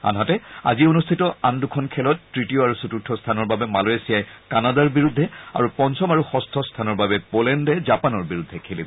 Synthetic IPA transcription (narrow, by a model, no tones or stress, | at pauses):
a̰nɦatɛa̰zionustʰitɔandukʰɔnkʰɛlɔtːɹitijoaɹusututʰːɔstʰanɔɹbabɛmalɔjesijajkanadaɹbiɹudʱːɛa̰ɹupɔnsɔmaɹuxɔstʰɔstʰanɔɹbabɛpolɛndɛzapanɔɹbiɹudʱːɛkʰelḭb